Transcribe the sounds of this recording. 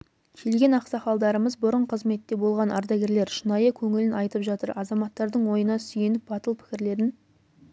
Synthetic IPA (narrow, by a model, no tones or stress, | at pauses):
kʲʰe̞lɡʲe̞nɑqsɑχɑlˠd̪ɑɾəməzbʊɾəɴqʰəzme̞t̪ːe̞bo̞lˠʁɑnɑ̰ɾd̪ɑɡʲe̞ɾle̞ɾʃənɑjəkʲʰɵŋɪlɪnɑjt̪əpʒɑt̪əɾɑzɑmɑt̪ːɑɾd̪əɴwo̞jənɑsʏjenɪp̚bɑt̪əlˠpʰɪ̥kʲɪɾle̞d̪ɪn